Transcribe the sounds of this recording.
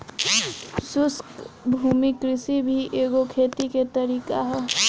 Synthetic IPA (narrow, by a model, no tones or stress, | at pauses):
sʊskbʱuːmikɾɪsibʱiʔeːɡokʰeːt̪iket̪əɾiːkaɦɛ